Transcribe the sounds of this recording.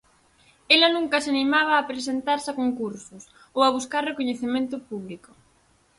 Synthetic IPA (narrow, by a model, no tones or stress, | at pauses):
elɐnũŋkɐseanimaβ̞aːpɾesent̪aɾsakoŋkuɾsʊs | owaβuskaɾrekoɲeθemẽnt̪ʊpuβlikʊ